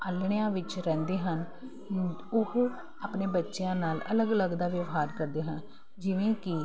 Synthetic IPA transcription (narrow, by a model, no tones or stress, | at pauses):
əlɳjãːʋɪt͡ʃɾɛ̃ːnd̪eːɦən | ʊɦ | aːpneːbətːʃɪjãːnaːlələɡələɡd̪aːʋjəʋɦaːɾkəɾd̪eːɦə̃n | d͡ʒɪʋẽːkɪ